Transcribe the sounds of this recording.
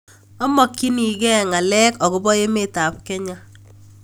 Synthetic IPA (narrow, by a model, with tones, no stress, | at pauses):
ɔ˦mɔ˨kːi˦ni˨ɡɛ˦ŋa˨lɛ˦kɔ˨ɡʊ˨bɔ˦e˦me˦ta˨p̚kɛ˦ɲa˦